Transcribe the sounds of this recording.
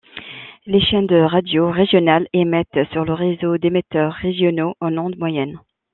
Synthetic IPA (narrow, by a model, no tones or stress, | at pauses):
leʃɛ̃nd̪əʁad̪joʁeʒjɔnalemɛt̪syʁləʁezod̪emet̪œʁːeʒjɔnoʔɑ̃nɔ̃d̪mwajɛn